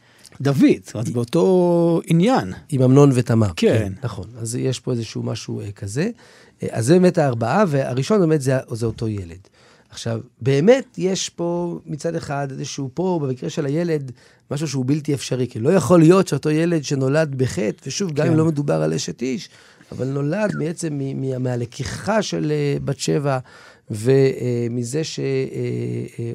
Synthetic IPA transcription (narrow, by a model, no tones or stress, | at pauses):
d̪avidazbeoto̞injanimamno̞nvetama̰ʁkenaχo̞̰nazjeʃpo̞ezeʃuma̰ʃṵkʰaze̞̰ | ʔa̰zːebeːmetaːʁbaavea̰ʁiʃo̞nbemetzeaʔzeoto̞je̞le̞̰d | aχʃavbe̞ːme̞tje̞ʃpo̞mit͡sadeχadezeʃupo̞bemikʁeʃelaje̞le̞d | maʃ̬uʃeubilt̬iefʃaʁikilo̞jaχo̞lijo̞tʃeoto̞je̞le̞dʃe̞no̞ladbeχetveʃuvɡamimlo̞medubaʁalʔeʃetiʃ | a̰va̰lno̞ladmiet͡se̞mːimiamealekʰiχaʃelbatʃe̞va | ve̞mize̞ʃee